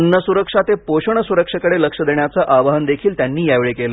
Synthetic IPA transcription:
nːəsuɾəkʂat̪epoɕəɳ̃əsuɾəkʂəkəɽeləkʂəd̪eɳjat͡səʔaʋaɦənd̪ekʰiːlt̪janːiːjaʋeɭekelə

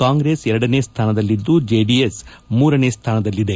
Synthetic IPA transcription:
kaːŋɡɾeːsɛɾɐɽɐneːst̪ʰaːnɐd̪ɐlːid̪ːud͡ʒeːɖiesmuːɾɐneːst̪ʰaːnɐd̪ɐlːid̪e̞

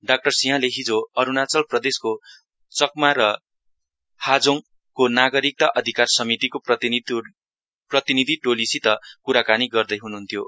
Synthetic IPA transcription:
ɖak̚ʈʌrsiɦãleɦid͡zoʌɾunat͡sʌlprʌd̪esko | t͡sʌk̚maɾʌ | had͡zoŋ | konaɡʌɾik̚t̪aʔʌd̪ʱikarsʌmit̪ikopʌ | prʌt̪inid̪ʱiʈolisit̪ʌkuɾakaniɡʌrd̪ʌjɦunuɦunt̪ʰjo

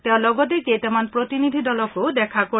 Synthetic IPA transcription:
t̪eʊ̃lɔɡɔt̪̬eket̪ɛmanpɾot̪inid̪ʱid̪ɔlɔkod̪ɛkʰako

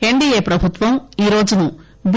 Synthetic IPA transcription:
he̞ɳɖieːpɾɐbʱut̪ʋɐmiːɾo̞ːd͡ʒunu | b

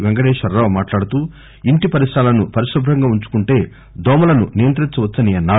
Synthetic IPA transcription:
ʋɛŋɡɐɽeːʂɐɾɾɐʋmaːʈlaːɽut̪uː | iɳʈipɐɾisʈaːlɐnupɐɾiʂɾɐbʱɾɐŋɡaːuɲt͡ʃu̥kuɳʈe̞ː | d̪ʱɔːmɐlɐnṵnijɐnt̪ɾiɲt͡ʃɐʋɐt͡sːɐniɐnːaː

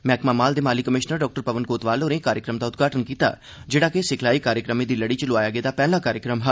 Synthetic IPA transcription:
mɛ̃ːkmaːmaːld̪eːmaːlikəmɪʃnəɾɖɔːk̚ʈəɾpɐʋənkoːt̪ʋaːlonekaːɾjəkɾəmd̪aʊt̪ɡʱaːʈənkiːt̪a̰ː | d͡ʒeːɽakesɪkʰlaːikaːɾjəkɾəmẽd̪iːlɐɽit͡ʃəlʊaːjaːɡɛːd̪aːpɛːlãkaːɾjəkɾəmɦɐ

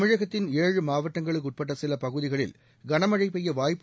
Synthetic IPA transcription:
mɪɻɐɣɐt̪ːɪneːɻɯmaːʋɐʈːɐŋɡɐɭɯk̬ːʊʈ̚pɐʈːɐsɪlɐpɐɣɯðɪɣɐɭɪ̰l | ɡɐɳɐmɐɻɐɪpːɛjːɐʋaːjpː

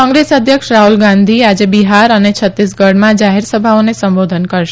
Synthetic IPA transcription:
kɔ̃ŋɡɾesəd̪ʱjəkʃɾaɦulɡãnd̪ʱiad͡ʒebiɦaɾənet͡ʃʰət̪ɾis̬ɡəɽmãd͡ʒaɦeɾsəbʱaonesəmbod̪ʱənkəɾʃe

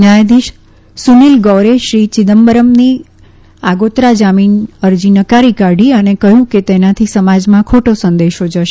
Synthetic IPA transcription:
najd̪iʃ | sunilɡɔwɾeʃɾit͡ʃɪd̪əmbəɾəmni | aɡot̪ɾad͡ʒaminəɾd͡ʒinəkaɾikaɖiənekəɦjũket̪enat̪ʰisəmad͡ʒmãkʰoʈosə̃nd̪eʃod͡ʒəʃe

